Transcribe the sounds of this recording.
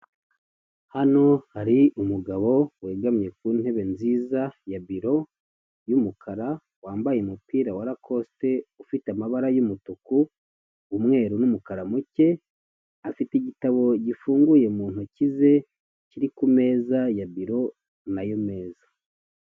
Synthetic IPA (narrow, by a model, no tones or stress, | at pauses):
hano̞haɾiumuɡaβo̞we̞ːɡamɲe̞k̚uːn̥e̞βe̞nziːzajaβiɾo̞ | jumukʰaɾa | waːmbajemupiːɾawaɾakʰo̞ste̞ufiteamaβaɾajumutukuː | mŋe̞ːɾunumukaɾamuce̞ | afiteɟitaβo̞ɟifuːŋɡuje̞muːn̥hucize̞ | ciɾikume̞ːzajaβiɾo̞ | najome̞ːzḁ